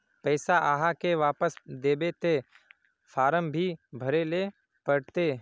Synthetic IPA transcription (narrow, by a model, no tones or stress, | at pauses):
pɛːsaʔaːɦakeʋaːpəsd̪eːbet̪e | fʰaːɾəmbʱibʱəɾele | pəɽt̪eː